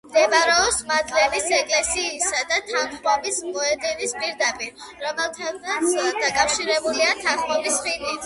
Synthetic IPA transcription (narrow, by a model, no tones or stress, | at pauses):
md̪ɛbaɾɛɔsmad̪lɛmisɛkʼlɛsiːsad̪at̪ʰanχmɔbismɔɛd̪inispʼiɾd̪apʼiɾɾɔmɛlˠt̪ʰaat̪sd̪akʼafʃiɾɛbuliat̪ʰanχmɔbisχini